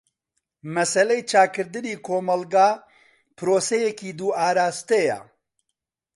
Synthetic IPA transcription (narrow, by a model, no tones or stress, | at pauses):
mɛsɛlejt͡ʃʰaːkɨɾd̪ɨniːkʰoːmɐlɡaː | pɾoːsɛjɛkiːd̪uːaːɾaːst̪ejɛ̰